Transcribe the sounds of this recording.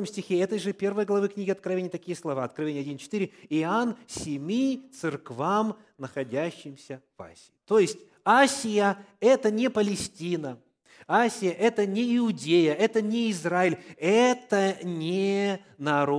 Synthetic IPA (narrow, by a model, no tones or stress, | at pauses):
əmsʲtʲɪxʲeɛt̪əjʐɨpʲe̞rvɨjəɡlˠɐvɨknʲiɡʲɪɐt̪̚kɾɐvʲenʲɪjət̪ɐkʲijəslˠɐvaɐt̪̚kɾɐvʲenʲɪjɐdʲint͡ɕɪ̥t̪ɨɾʲɪɪansʲɪmʲit̪sɨrkvam | nəxɐdʲæɕːɪmsʲəv̥a̰sʲɪɪt̪ojɪsʲtʲ | asʲɪjəɛt̪ənʲɪpəlʲɪsʲtʲinə | asʲɪjəʔɛt̪ənʲɪɪʊdʲejəɛt̪ənʲɪɪzraɪlʲɛt̪ənʲɪ | nɐɾ